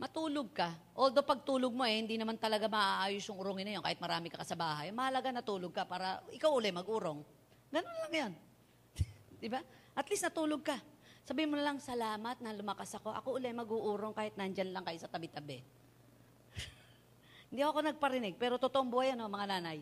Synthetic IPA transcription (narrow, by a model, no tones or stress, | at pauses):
mɐt̪uːloɡ̚kɐʔoːld̪o̞pɐɡ̚t̪uːloɡ̚mo̞ʔɛhɪnd̪inɐmant̪ɐlɐɡamɐʔʔaːʔaːjosjʊŋʊɾoŋɪnɐjokaːhɪt̪̚mɐɾaːmɪkɐkɐsɐbaːɦajmɐhɐlɐɡanɐt̪uːloɡ̚kɐpaːɾɐʔɪkawʔʊlɛmɐɡʔuːɾo̞ŋ | ɡɐnonlɐŋjon | d̪ɪbaʔɐt̪lisnɐt̪uːloɡ̚kɐsɐbiːmonɐlɐŋsɐlaːmɐt̪̚nɐlʊmɐkasɐko̞ʔɐ̰ko̞ʔʊlɛmɐɡuːʔuːɾoŋkaːhɪt̪nɐnd͡ʒanlɐŋkɐjsɐt̪ɐbɪt̪ɐbɛ | hɪnd̪iʔoɐko̞nɐɡ̚pɐɾɪnɛɡ̚pɛːɾo̞t̪ot̪oʔomboʔɐjonomɐŋanaːnɐj